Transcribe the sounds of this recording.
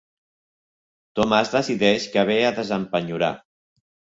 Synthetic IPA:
t̪omazðəsiðɛʃkaβeaðəzəmpəɲuɾa̰

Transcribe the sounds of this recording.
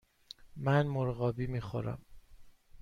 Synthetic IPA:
mænmoɾɣɒːbiːmiːxo̰ɾæ̰m

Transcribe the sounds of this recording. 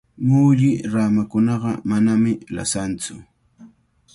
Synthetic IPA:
mʊːʎɪɾamakʊnɑɢɑmanamɪla̰sant͡sʊ̰

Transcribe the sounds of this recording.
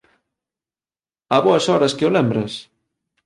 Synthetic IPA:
aβɔɐsɔɾɐskeolɛmbɾɐs

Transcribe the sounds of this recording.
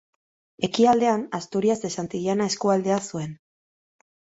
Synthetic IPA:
e̞kiald̪e̞anast̪uɾiase̞sant̪iʎanae̞skuald̪e̞asue̞n

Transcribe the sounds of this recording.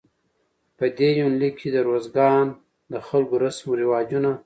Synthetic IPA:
pəd̪ejunlikʰid̪əɾozɡɑn | d̪əxalɡoɾasmoɾɪwɑd͡ʒuna

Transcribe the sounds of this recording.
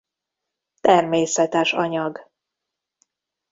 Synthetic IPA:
t̪ɛrmeːsɛt̪ɛʃɒɲɒɡ

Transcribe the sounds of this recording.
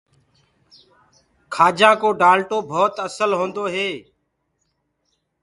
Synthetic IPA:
kʰaːd͡ʒãːkoːɖaːlʈoːbʱoːt̪əsəlɦoːnd̪oːɦeː

